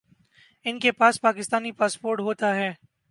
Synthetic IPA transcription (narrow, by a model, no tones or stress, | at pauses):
ɪnkepaːspaːkɪst̪aːnipaːspoːɾʈɦoːt̪aɦɛː